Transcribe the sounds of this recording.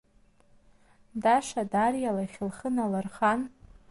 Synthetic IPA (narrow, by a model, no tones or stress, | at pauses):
daʂadarjalaχʲɪlχənalarχan